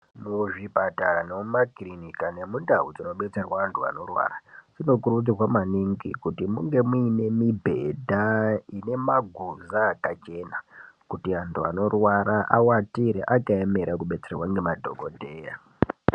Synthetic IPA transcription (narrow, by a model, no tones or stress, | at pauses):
muʐipataɾanemumakrinikane̞mundawud͡zino̞ɓe̞t͡se̞rwaːntʰua̰no̞rwa̰rad͡zino̞kurud͡zirwamaniŋɡikutimuŋɡe̞muine̞mibʱe̞dʱaine̞maɡʱuzaːkat͡ʃe̞nakutiantʰua̰no̞rwaɾaʔawatiɾeʔakaeme̞ɾakuɓe̞t͡se̞rwaŋɡe̞madʱo̞̰ɡodʱe̞ːja